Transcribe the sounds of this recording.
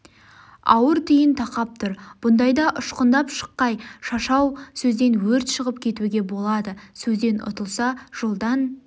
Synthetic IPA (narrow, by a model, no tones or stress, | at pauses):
ɑ̰wəɾt̪ʰijɪnt̪ʰɑqɑp̚t̪ʰʊɾb̥ʊnd̪ɑjd̪ɑʔʊʃqənd̪ɑpʃə̥qːɑjʃɑʃɑwsɵzd̪e̞nwɵɾt̪ʃəʁəp̚kʲʰe̞t̪uɡʲe̞bo̞lˠɑd̪əsɵzd̪e̞nʔʊ̰t̪əlˠsɑʒ̥o̞lˠd̪ɑn